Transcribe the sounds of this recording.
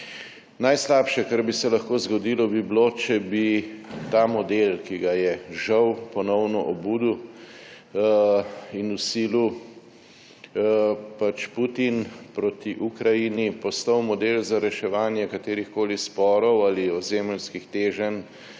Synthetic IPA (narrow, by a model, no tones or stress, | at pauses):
najslaːpʃɛkaɾbisɛlɐxkoːzɡɔd̪iːlɔbiblot͡ʃɛbit̪aːmɔd̪elkiɡajɛʒɐwpɔnɔwnɔʔɔbuːd̪u | inusiːlu | pat͡ʃput̪inpɾot̪iʔukɾajinipɔst̪awmɔd̪eːlzaɾɛʃɛʋaːnjɛkat̪eːɾixkoːlispɔːɾɔwaliɔzeːmlskixt̪eːʒən